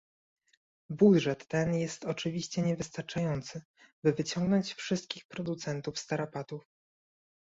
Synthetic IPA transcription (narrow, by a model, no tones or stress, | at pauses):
bud̪ʐɛt̪ːɛnjɛst̪ɔt͡ʂɘvʲiɕt͡ɕɛɲɛvɘst̪aɾt͡ʂajɔnt̪sɘ | bɘvɘt͡ɕɔŋɡnɔɲt͡ɕfʂɘst̪̚kʲixpɾɔd̪ut̪sɛnt̪ufst̪aɾapat̪uf